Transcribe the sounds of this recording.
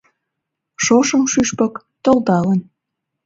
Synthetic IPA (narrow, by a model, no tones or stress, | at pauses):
ʃoʃəmʃyʃpək | t̪old̪ɑlən